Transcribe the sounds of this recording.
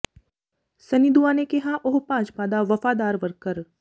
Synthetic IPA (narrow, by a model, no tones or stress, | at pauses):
sɐnid̪uʋaːnekeɦãʔoɦpãːt͡ʃpaːd̪aʋɐfaːd̪aːɾʋɐɾkəɾ